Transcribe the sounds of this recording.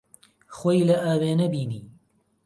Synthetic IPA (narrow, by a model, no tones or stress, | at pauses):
xoːjlɐʔaːweːnɐbiːnḭː